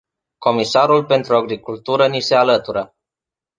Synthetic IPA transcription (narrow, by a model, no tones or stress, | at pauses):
ko̞misaɾulpe̞nt̪ɾuaɡɾikult̪uɾənise̞alət̪uɾə